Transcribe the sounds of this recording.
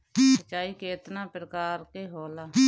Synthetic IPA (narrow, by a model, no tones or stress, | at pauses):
sət͡ʃːaːiːkeːt̪nãːpɾəkaːɾkeːɦoːlaː